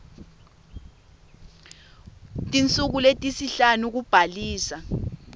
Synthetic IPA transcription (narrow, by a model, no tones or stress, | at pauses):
tʼint͡sʼuk̬uletʼisiɬanuk̬ub̥ʱaliːsa